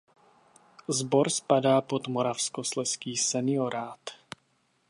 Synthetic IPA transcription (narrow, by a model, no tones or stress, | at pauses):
zbɔɾspadaːpod̪mɔɾafskɔslɛskiːsɛnɪoɾaːt̪